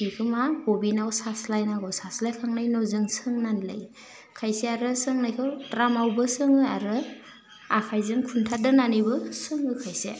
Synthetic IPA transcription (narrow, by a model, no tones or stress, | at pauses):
kikʰɯmakɔbinawsaslajnaɡɔwsaslajkʰaŋnajnɔzɯŋsɯŋnanlɯ̰j | kʰajseaɾɯsɯŋnajkʰɯwtɾamawbɯsɯŋɯaɾɯ | akʰajzɯŋkʰuntʰadɯnanibɯsɯŋɯkʰajsḛ